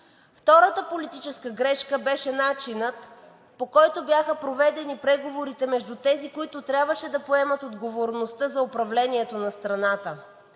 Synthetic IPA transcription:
ft̪ɔɾət̪əpolit̪it͡ʃɛskəɡɾɛʃkəbɛʃɛnat͡ʃinət̪ | pokɔjt̪objaxəpɾovɛd̪ɛnipɾɛɡovoɾit̪ɛmɛʒd̪ut̪ɛzikoit̪ʊt̪ɾʲjabvəʃɛd̪ɐpoɛmət̪od̪ɡovoɾnost̪əzɐopɾɐvlɛniɛt̪onɐst̪ɾɐnat̪ə

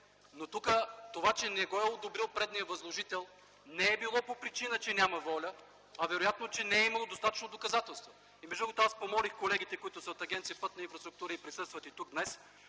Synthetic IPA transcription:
not̪ukət̪ovat͡ʃɛnɛɡɔɛod̪obɾilˠpɾɛd̪nijəvɐzlˠoʒit̪ɛlˠ | nɛːbilˠɔpopɾit͡ʃinət͡ʃɛnʲamɐvɔlʲə | ɐvɛɾojat̪not͡ʃɛnɛɛimɐlˠod̪ost̪at̪ə̥t͡ʃnod̪okɐzat̪ɛlˠst̪vo | imɛʒuɾkot̪oaspomɔlixkolɛɡ̟it̪ɛkoit̪ʊsɐot̪ɐɡʲɛnt̪sijəpɤt̪nəinfɾɐst̪ɾʊk̚t̪uɾəipɾisɤst̪vət̪it̪uɡ̚d̪nɛs

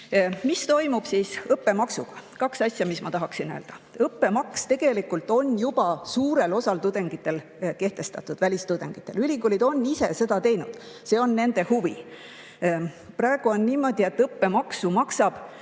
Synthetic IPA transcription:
mist̪o̞jmub̥siːsɤpːe̞mɑksuɡ̥ɑ̥kɑksɑsʲjɑmismɑ̰t̪ɑɦɑksinø̰ld̪̥ɑɤpːe̞mɑkst̪e̞ɡ̥e̞likult̪ˑo̞njub̥ɑsuːɾe̞lo̞sɑlt̪ud̪e̞ŋɡ̥it̪ːˑe̞l | ke̞ht̪e̞st̪ɑt̪ːˑud̪̥vælʲist̪ud̪e̞ŋɡ̥it̪ˑːe̞lylʲikulid̪o̞nːise̞̰se̞d̪ɑt̪e̞jnṵd̪̥ | se̞ːo̞nːe̞nd̪̥e̞huvi | prɑeɡ̥uo̞nːiːmo̞d̪̥ie̞t̪ːɤpːe̞mɑksumɑksɑb̥

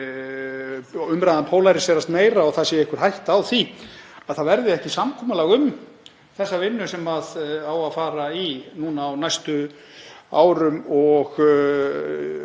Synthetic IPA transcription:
ʏmɾajðanpʰoːwlajɾɪsvɛɾast̪meːjɾaɔɣθaðsjɛɪhkʏɾ̥ɦajht̪awθiaðθaðvɛɾðɪɛhcɪsamkʰɔːmalaɣʏm | θɛsːavɪnːʏsɛmaðawaðfaːɾainuːnaːwnajst̪ʏ | a̰ːwɾʏmɔɣ

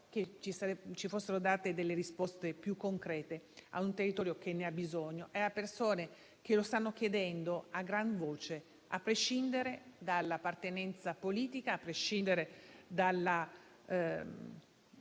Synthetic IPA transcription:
k̟et͡ʃisat͡ʃifosːeɾod̪aːt̪ed̪elːeɾispost̪epjukːoŋkɾɛːt̪ea̰unt̪erːit̪ɔːɾjok̟enːeabːizoɲːoʔɛapersoːne | kelost̪anːok̟jed̪ɛnd̪oaɡɾanvoːt͡ʃe | a̰pːɾeʃind̪eɾed̪alːapːart̪enɛnt̪sapoliːt̪ikaːpːɾeʃːind̪eɾed̪alːa

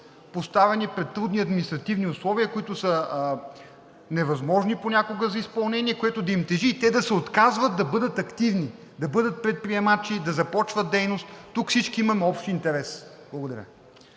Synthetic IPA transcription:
post̪avɛnipɾɛt̪ːɾud̪niɐd̪mʲinist̪ɾɐt̪ivniʊslˠɔviəkoit̪ʊsə | nɛvɐzmɔʒniponʲakoɡəzɐispɐlˠnɛnʲiɛkoɛt̪ʊd̪ɐimt̪ɛʒiːt̪ɛd̪ɐsɛot̪kazvɐt̪̚d̪ɐbɤd̪ət̪ɐkt̪ivni | d̪ɐbɤd̪ət̪̚pɾɛt̪̚pɾiɛmat͡ʃid̪ɐzɐpɔt͡ʃvɐt̪̚d̪ɛjnost̪ːukfsit͡ʃkiimɐmɔpʃt̪int̪ɛɾɛsb̥lˠɐɡʊd̪ɐɾʲa̰

